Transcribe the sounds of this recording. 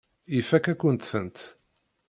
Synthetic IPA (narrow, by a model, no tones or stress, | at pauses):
ifækːækʷːənt̪θənt̪